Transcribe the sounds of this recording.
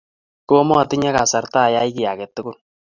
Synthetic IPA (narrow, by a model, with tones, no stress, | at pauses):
kʊ˦ɔ˦mɔ˦˨tɪ˦ɲa˦ka˨sa˨rta˦˨ja˦i˦kɪ˨ja˨ke˨tːɪ˦kʊ˦n